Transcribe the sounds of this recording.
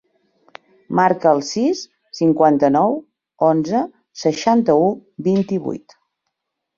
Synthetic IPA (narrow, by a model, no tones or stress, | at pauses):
maɾkəːlˠsisː | iŋkwant̪ənɔw | onzə | səʃant̪əubint̪iβṵjt̪